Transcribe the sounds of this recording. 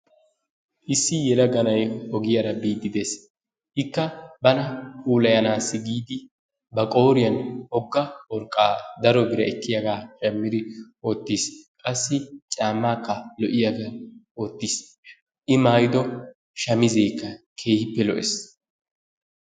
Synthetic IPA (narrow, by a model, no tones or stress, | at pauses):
ʔɪsːɪjɛlɐɡɐnɐjɔɡɪjɐɾɐbiːd̪ːɪd̪eːs | hɪkːɐbɐnɐhuːlɐjɐnaːsːɪɡiːd̪ɪ | bɐkʼo̞ːɾɪjɐnɔɡːɐwɔɾkʼːaːd̪ɐɾɔɡɪɾɐɛkːɪjɐɡaːʃɐmːɪd̪ɪ | oːt̪ːiːskʼɐsːɪt͡ʃʼaːmːaːkːɐlɔʔɪjɐɡaːo̞ːt̪ːiːs | ʔɪmaːjd̪ɔ | ʃɐmɪzeːkːɐ | kʰe̞ːhɪpːɛlɔʔɛs